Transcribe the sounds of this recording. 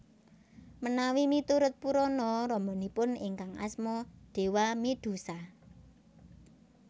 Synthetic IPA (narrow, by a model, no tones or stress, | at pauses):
mənawimit̪uɾʊt̪̚puɾɔnɔɾɔmbɔ̤nipʊnɪ̰ŋkaŋa̰smɔɖ̪̥e̤wamid̪̥ṳsa